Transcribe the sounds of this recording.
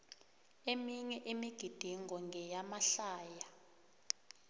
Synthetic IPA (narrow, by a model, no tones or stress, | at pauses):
emiɲɛʔemiɡ̥ʱid̥ʱiŋɡɔŋɡʱɛjamaɬaːja